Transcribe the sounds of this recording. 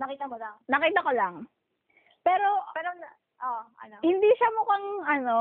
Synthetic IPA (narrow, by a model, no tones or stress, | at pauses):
nɐkiːt̪ɐmolaŋnɐkiːt̪ɐkolɐŋ | pɛːɾo̞pɛɾon | ʔoʔɐ̰nohɪnd̪iʃɐmʊkɐŋʔɐno̞